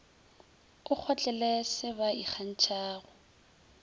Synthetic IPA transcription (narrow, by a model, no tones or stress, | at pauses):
ʊk͡xʰɔt͡ɬʼɛlɛsɪbaik͡xʰan̩t͡ʃʰʼaːɣʊ